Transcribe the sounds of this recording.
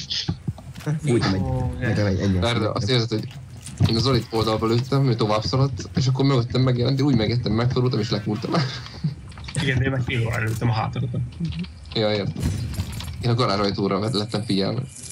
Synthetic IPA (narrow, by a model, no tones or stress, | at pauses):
t͡ʃ | uːjt̪mɛet̪ɛɛɛːɛrd̪ɛʔɒ̰st̪eːrzɛt̪hoɟ | eːnɒzolit̪o̞ld̪ɒlbɒløːt̪ːɛmmit̪o̞vaːbsɒɾɒt̪ːeːʃɒk̬ːoɾmøɡøt̪ːɛmːɛɡjɛlɛnt̪eʃuːɟmɛɡjɛt̪ːɛmːɛkfod̪ult̪ɒmeːʃlɛkult̪ɒm | iɡɛnd̪eːmɛkfeːloːɾa̰ɾløːt̪ːɛmɒɦa̰ːt̪oɾot̪o | jɒeːrt̪ɛmeːnɒɡɒɾaːʒɒjt̪oːɾɒlɛt̪ːɛɱfiɟɛlmɛ̰